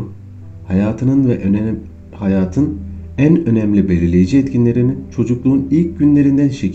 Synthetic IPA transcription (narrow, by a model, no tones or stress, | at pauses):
hajaːt̪ʰɯnɯnvɛʔ | hajaːt̪ʰɯnænø̞nɛmlʲibelʲelʲe̞jid͡ʒiɛt̪cʰinlʲe̞ɾinint͡ʃʰo̞d͡ʒuklˠuːnilʲc̚ɟynlʲe̞ɾind̪ænʃe